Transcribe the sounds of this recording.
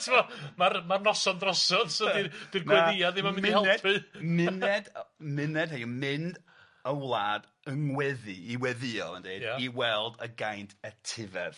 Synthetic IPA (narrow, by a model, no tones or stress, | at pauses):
tʰɪmɔmaɾmarnɔsɔndrɔsɔðsədid̥irɡwɛðɪaðɪmamɪnmhɛlˠnɛdpɨmɪnɛdmɪnɛd̥hejəmɪnd | əwlˠaːd̥ | əŋwɛðɨiwɛðɪɔ̰lˠə̰ndejdiwɛlˠdəɡajntʰɛtʰɪvɛ̰ð̥